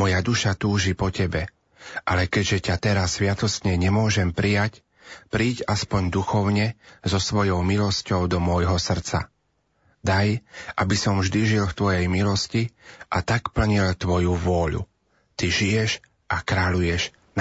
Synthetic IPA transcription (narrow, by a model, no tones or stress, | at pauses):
mɔjad̪uʃat̪uːʒipɔcɛbɛ | ʔalɛkɛɟʒɛcat̪ɛɾasːʋɪat̪ɔsɲɛɲɛmʊɔʒɛmpɾijac | pɾiːɟaspɔɲd̪uxɔʊɲɛzɔsʋɔjɔʊmilɔscɔʊd̪ɔmɔjɦɔsr̩t͡sa̰ | d̪ajʔabisɔmvʒd̪iʒilft̪ʋɔjɛjmilɔsciʔat̪akpl̩ɲilt̪ʋɔjuʋʊɔʎṵ | t̪iʒijɛʃ | ʔakɾaʎujɛʒ